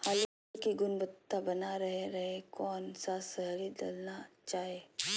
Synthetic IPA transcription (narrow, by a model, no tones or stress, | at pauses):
haːl | kiɡʊnbət̪ːabɐnaɾɐɦeɾɐɦekɔːnsasɐɦlid̪ɐ̰lnat͡ʃaːɦeː